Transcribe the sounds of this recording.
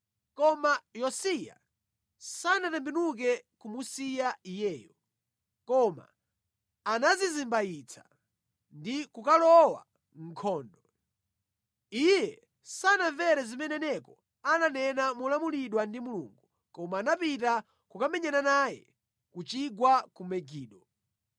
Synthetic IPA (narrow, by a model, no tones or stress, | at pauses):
kɔmajɔsija̰ | sanatɛmbinuk̬ɛkumusijaijɛːjɔ | kɔma̰ | anazizimbajit͡sʰḁ | ndikukalɔwa̰ | ŋ̩kʰɔːndɔ | ijɛ | sanaɱvɛɾɛzimɛnɛnɛkɔ | ananɛnamulamuliɗwandimulṵːŋɡu | kɔmaːnapita | kukamɛɲɛnanaːjɛ̰ | kut͡ʃiɡwakumɛɡiːɗɔ